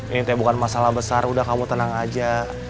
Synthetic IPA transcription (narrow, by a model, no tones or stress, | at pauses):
init̪ajabukanmasalahbəsarudahkamut̪ənaŋad͡ʒa